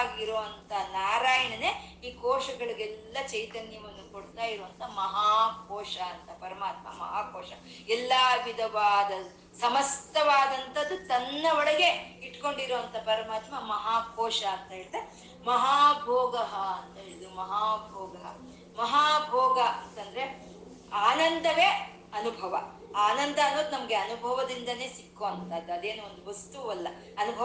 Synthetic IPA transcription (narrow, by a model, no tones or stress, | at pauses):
ɡiɾoːʋɐnt̪ʰɐnaːɾaːjɐɳɐne̞iːkɔːʂɐɡɐɭiɡɛlːɐt͡ʃɐjt̪ɐnjɐʋɐnːukoɽt̪aːjiɾuʋɐnt̪ʰɐmɐɦaːkɔːʂɐːnt̪ɐpɐɾɐmaːt̪̚mɐ̰mɐ̰ɦaːkɔːʃɐ | ɛlːaʋid̪ʱɐʋaːd̪ɐ | sɐmɐst̪ʰɐʋaːd̪ɐnt̪ʰɐd̪ːut̪ɐnːɐɔɽɐɡe̞iʈko̞ɳɖiɾoʋɐnt̪ʰɐpɐɾɐmaːt̪mɐmɐɦaːkʰɔːʂɐːnt̪ɐɦeɭid̪e | mɐɦaːbʱɔːɡɐɦɐɐnt̪ɐɦeɭid̪umɐɦaːbʱɔːɡɐɦɐ̰ | mɐɦaːbʱɔːɡɐɐnt̪ɐnd̪ɐɾe̞ | aːnɐnd̪ʱɐʋeː | ɐnubʱɐʋɐ | aːnɐnd̪ʱɐːnːoːd̪unɐmɐɡeɐnubʱɐʋɐd̪ind̪ɐne̞ːsikːoɐnt̪ɐːd̪uɐd̪eːnuond̪uʋɐst̪uɐlːɐ | ɐnubʱɐ